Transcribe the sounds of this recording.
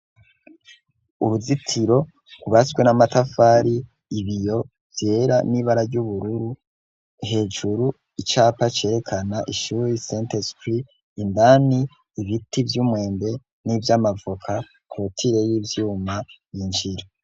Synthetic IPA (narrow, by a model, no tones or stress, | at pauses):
uɾuzitʰiɾo̞ | kuβaswe̞namatafaɾiː | βijo̞ | vje̞ɾaniβaɾaɾɟuβuɾuɾu | ɦe̞ːd͡ʒuɾu | it͡ʃaːpat͡ʃe̞ːɾe̞kʰanaʔiʃuɾisentespɾiː | ndaniː | βitivjuːmwe̞ːnbe̞ | nivjamavokʰa | kɾotʰiɾe̞jiːvjuːma | jiɲd͡ʒiɾo